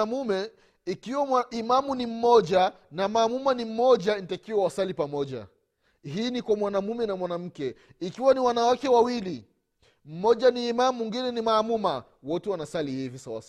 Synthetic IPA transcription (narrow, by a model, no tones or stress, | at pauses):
amumɛ | ikiwaimamunim̩mɔʄa | namaːmumanim̩mɔʄanitakiwawasalipamɔʄa̰ | ɦiːnikwamwanamumɛnamwanam̩kɛ | ikiwaniwanawakɛwawili | m̩mɔʄaniːmamuŋɡinɛnimaːmuma | wɔtɛwanasalihivisawa̰s